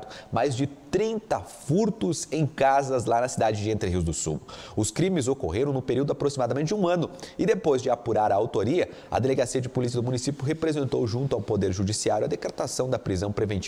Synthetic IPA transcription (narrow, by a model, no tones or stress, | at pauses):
d̪ʊmajzd͡ʒɪt̪ɾĩnt̪ɐfuɾt̪ʊzẽj̃kazɐzlanɐsid̪ad͡ʒɪd͡ʒɪẽnt̪ɾɪɦiwzd̪ʊsṵʊskɾĩmɪzoko̰ɦeɾɐ̃w̃nʊpeɾiwd̪ʊapɾosimad̪ɐmẽnt͡ʃɪd͡ʒũɐ̃nʊɪd̪epojzd͡ʒɪapuɾaɾɐawt̪oɾiɐ | ɐ̰d̪eleɡasiɐd͡ʒɪpulis̬iɐd̪ʊmũnisipjʊɦepɾezẽnt̪o̰wʒũnt̪ʊawpod̪eɾʒud͡ʒisiaɾjʊɐ̰d̪ekɾet̪asɐ̃w̃d̪ɐpɾizɐ̃w̃pɾevẽnt͡ʃi